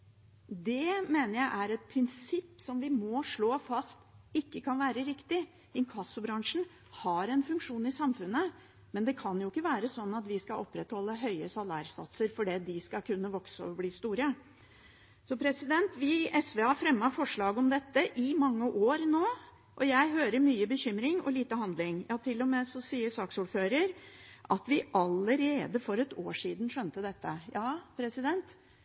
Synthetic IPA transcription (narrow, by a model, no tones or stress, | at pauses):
d̪ɛmeːnəɾjæɪʔæɾɛt̪̚pʰɾɪnsɪpːsɔmʋɪmɔʂɭoːfɑst̪ɪkːəkʰɑnʋæːɾəɾɪkt̪ɪ | ɪkʰɑsːʊbɾɑŋʂn̩ | hɑɾɛnfʉŋkʂuːnɪsɑmfʉnːə | mɛnd̪ɛkʰɑnjʊɪkːəʋæːɾəsɔnːɑt̪ʋɪskɑʔɔpːɾɛt̪hɔlːəɦœʏəsɑlɑ̰ːɾsɑ̰t̪səɾfɔɖiːd̪ɪskɑkʰʉnːəʋɔksəɔbliːst̪uːɾə | sɔpʰɾɛsɪd̪ɛnt̪ʋɪʔɛsʋeːɑfɾɛmːɑfɔʂɭɑːɡəɔmd̪ɛt̪ːəʔɪmɑŋːəʔoːɾnoː | ʔɔjæɪɦøːɾəmyːəbəçʏmɾɪŋɔ̰liːt̪əhɑnd̪lɪŋjɑːt̪ʰɪlːɔmɛsɔsiːəɾsɑːksuːɖføːɾəɾʔɑt̪ʋɪʔɑlːəɾeːd̪əfɔɾɛt̪oːʂiːd̪ən̩ʂœnt̪əd̪ɛt̪ːəjɑːpʰɾɛsɪd̪ɛnt̪